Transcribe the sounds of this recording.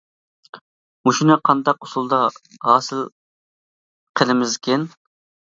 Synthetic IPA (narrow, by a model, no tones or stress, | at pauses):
muʃinɨqʰɑnd̪ɑqusulˠd̪ɑɦɑːsɨl | qʰəlɪmɪzkʲʰɛn